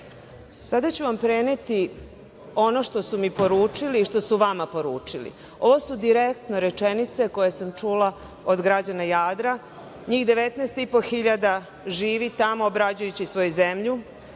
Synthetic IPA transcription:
sad̪at͡ɕuʋampɾene̞t̪i | o̞no̞ʂt̪o̞sumipo̞ɾuːt͡ʂiliːʃt̪o̞suʋamapo̞ɾuːt͡ʂilḭ | o̞ʋo̞sud̪iɾek̚t̪no̞ɾet͡ʂenit̪se̞ko̞jesamt͡ʂula | od̪ɡɾad͡ʑanajaːd̪ɾa | ɲiːxd̪e̞ʋet̪neːst̪ipo̞xiʎad̪a | ʒiːʋit̪amoːbɾad͡ʑujut͡ɕisʋo̞juzemʎu

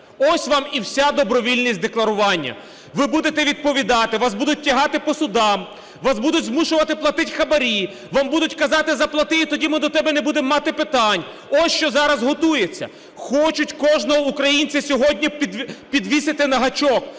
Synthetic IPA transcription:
ɔsʲʋɑmiwsʲad̪ɔbɾɔʋʲilʲnʲisʲtʲd̪eklˠɐɾʊʋɑnʲːɐ̰ | ʋɪbud̪et̪ɛʋʲid̪̚pɔʋʲid̪ɑt̪ɪʋɑsbud̪ʊt̚ʲtʲːɐɦɑt̪ɪpɔsʊd̪ɑm | ʋɑsbud̪ʊtʲzmuʃʊʋɐt̪ɪplˠɐt̪ɪtʲxɐbɐɾʲi | ʋɑmbud̪ʊtʲkɐzɑt̪ɪzɐplˠɐt̪ɪjit̪ɔdʲimɪd̪ɔt̪ɛbɛnɛbud̪emːɑt̪ɪpɪt̪ɑnʲ | ɔsʲʃt͡ʃɔzɑɾɐzɦɔt̪ujet͡sʲːɐ̰ | xɔt͡ʃʊtʲkɔʒnɔɦɔukɾɐjinʲt͡sʲɐsʲɔɦɔdʲnʲipʲd̪pʲid̪ʋʲisɪt̪ɪnɐɦɐt͡ʃɔk

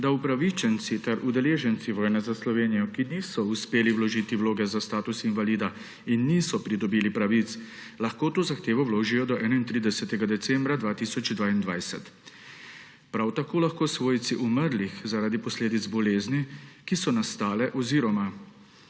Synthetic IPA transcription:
d̪aupɾaʋit͡ʃɛnt̪sit̪ɛɾʔud̪ɛleːʒɛnt̪siʋɔːjnɛzaslɔʋeːnijɔkiniːsɔuspeːliwlɔʒiːt̪iwloːɡɛzast̪aːt̪usinvaliːd̪a | inːisɔpɾid̪ɔbiːlipɾaʋit̪s | laxkoːt̪oːzaxt̪eːʋɔwloːʒijɔd̪ɔʔɛːnaint̪ɾiːd̪ɛsɛt̪ɛɡad̪ɛt̪sɛmbɾad̪ʋaːt̪isɔt͡ʃd̪ʋaːind̪ʋajsɛt̪ | pɾawt̪akoːlaxkoːsʋoːjt̪siʔuməɾlixzaɾaːd̪ipɔsleːd̪id̪zbɔleːznikisɔnast̪aːlɛʔɔziːɾɔma

